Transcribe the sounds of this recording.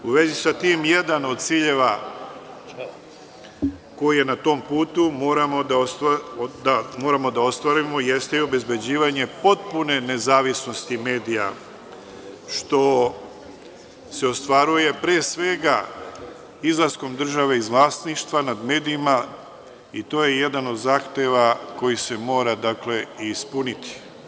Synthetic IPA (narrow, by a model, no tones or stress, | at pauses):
uʋe̞zisat̪iːmjed̪ano̞d̪̚t̪siːʎe̞ʋa | ko̞jije̞nat̪o̞ːmpuːt̪umo̞ːɾamo̞d̪aost̪ad̪amo̞ːɾamo̞d̪ao̞st̪ʋaɾimo̞je̞st̪e̞io̞be̞zbe̞d͡ʑiːʋaɲe̞po̞t̪̚pune̞ne̞zaːʋisno̞st̪ime̞ːd̪ija̰ | ʃt̪o̞ | se̞o̞st̪ʋaɾuje̞pɾeːsʋe̞ɡa | izlˠasko̞md̪r̩ʒaʋe̞izʋlˠaːst̪niʃt̪ʋanad̪me̞ːd̪iima | it̪o̞ːje̞je̞d̪ano̞d̪zaːxt̪e̞ʋako̞jise̞mo̞ːɾad̪akle̞ispunit̪i̥